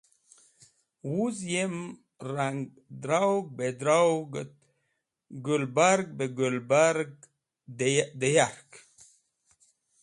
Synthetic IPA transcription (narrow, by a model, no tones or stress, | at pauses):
wuzjem | ɾaŋɡ | d̪ɾawɡ̚bed̪ɾawɡ | ɡulbaɾɡ̚beɡulbaɾɡ̚ | d̪ejaɾk